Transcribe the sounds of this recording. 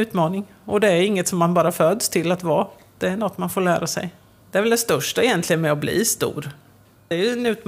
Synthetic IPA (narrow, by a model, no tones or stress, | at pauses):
ʉ̟ːt̪mɑːnɪŋ | ɔd̪ɛæjɵɪŋːət̪sɔmːanbɑːɾafød̪st̪ʰɪlːat̪vɑː | d̪̥ɛæɳɔt̪ːmanfoːɭæːɾasɛ̰j | d̪̥ɛæɾvɛld̪ɛst̪œʂʈaɛjɛnt̪lɪɡənmɛɔblḭːst̪ṵːɾ | d̪ɛæɾjɵɛnʉ̟ːt̪m